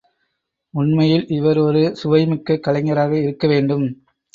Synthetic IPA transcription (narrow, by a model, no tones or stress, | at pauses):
ʊɳmɐjɪlɪʋɐɾɔɾɯsʊʋɐɪmɪkːɐkːɐlɐɪŋɡɐɾaːɣɐɪɾɯkːɐʋeːɳɖɯm